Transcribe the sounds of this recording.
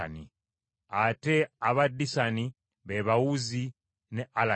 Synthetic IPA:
nḭ | ate̞aβadːisani | βeβawuzi | ne̞ʔala

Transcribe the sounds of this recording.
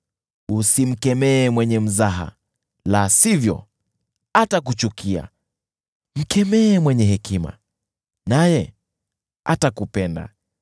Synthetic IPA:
usim̩kɛmɛːmwɛɲɛm̩zaɦa̰ | lasivjɔ̰ | atakut͡ʃukia̰ | m̩kɛmɛːmwɛɲɛɦɛkima̰ | najɛ | a̰takupɛnda̰

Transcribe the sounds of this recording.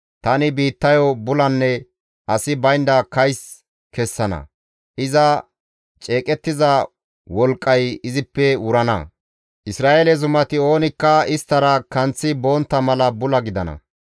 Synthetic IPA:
t̪ɐnɪbiːt̪ːɐjɔbʊlɐnːɛ | ʔɐsɪbɐjnd̪ɐkɐjs | kɛsːɐnɐ̰ | ʔɪzɐ | t͡ʃʼe̞ːkʼɛt̪ːɪzɐ | wɔlkʼːɐjɪzɪpːɛʊɾɐnɐ̰ | ʔɪsɾaːʔelɛzʊmɐt̪ɪo̞ːnɪkːɐɪst̪ːɐɾɐkɐnt͡sːɪbo̞ːnt̪ːɐmɐlɐbʊlɐɡɪd̪ɐnɐ̰

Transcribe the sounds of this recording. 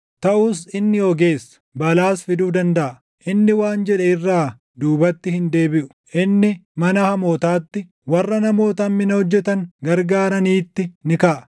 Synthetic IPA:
t̪ɐʔuːsɪnːɪjoːɡe̞ːsːɐ̥bɐlaːsfɪd̪uːd̪ɐnd̪ɐʔɐ | ʔɪnːɪwaːnd͡ʒɛᶑɛɪrːaː | d̪uːbɐt̪ːɪhɪnd̪e̞ːbɪʔʊ̥ʔɪnːɪmɐnɐhɐmoːt̪aːt̪ːɪ | wɐrːɐnɐmo̞ːt̪ɐmːɪnɐhɔd͡ʒːɛt̪ɐŋɡɐɾɡaːɾɐniːt̪ːɪnɪkɐʔɐ

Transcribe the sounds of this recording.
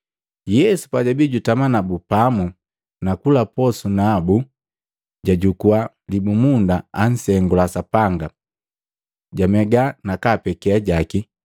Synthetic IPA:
jɛsu̥paɟabiɟutamanabupamu | nakulapɔsunabu | ɟaɟukua | libumundaan̩sɛŋɡulasapaŋɡa | ɟamɛɡanakaːpɛkɛaɟaki

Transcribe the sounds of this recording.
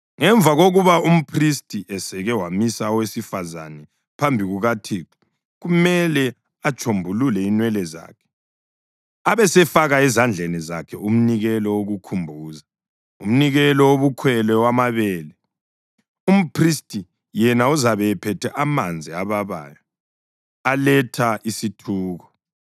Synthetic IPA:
ŋɛɱvʱaɣoɣuβaum̩pʰristʼiʔɛsɛɣɛwamisawesifaza̰nɛ | pʰambʱiɣuɣatʰiːkɔ̥ | ɣumɛlɛ | at͡ʃʰʼombʱululɛinwɛlɛza̰ːkʰɛ̥ | aβɛsɛfaɣaɛzand͡ɮʱɛnɛzakʰɛum̩niɣɛlɔwoɣukʰumbʱuːza | um̩niɣɛlɔwoβukʰwɛlɛwamaβɛːlɛ | um̩pʰristʼi | jɛnauzaβɛɛpʰɛtʰɛʔamand͡zʱiaβaβa̰ːjɔ | alɛtʰaʔisitʰuːɣɔ

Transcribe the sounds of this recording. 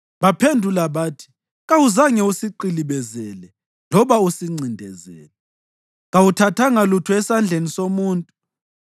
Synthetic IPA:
βapʰendʱulaβaːtʰi̥ | ɣawuzaŋɛusiǃiliβɛzɛlɛ | lɔβausiŋ͡ǀindʱɛ̰zɛ̰ːlɛ | ɣawutʰatʰaŋalutʰuɛsand͡ɮʱenisomuːntʼu

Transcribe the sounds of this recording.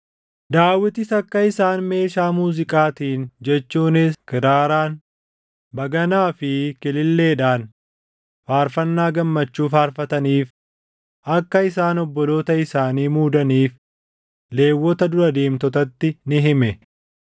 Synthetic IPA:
d̪aːwːɪt̪ɪsɐkːɐɪsaːnme̞ːʃaːmuːzɪkʼaːt̪iːnd͡ʒɛt͡ʃːuːnɪskɪɾaːɾaːn | bɐɡɐnaːfɪkɪlɪlːe̞ːᶑaːn | faːɾfɐnːaːɡɐmːɐt͡ʃːuːfaːɾfɐt̪ɐniːf | ʔɐkːɐɪsaːnɔbːɔlo̞ːt̪ɐɪsaːniːmuːd̪ɐniːf | le̞ːwːɔt̪ɐd̪ʊɾɐd̪eːmt̪ɔt̪ɐt̪ːɪnɪɦɪmɛ

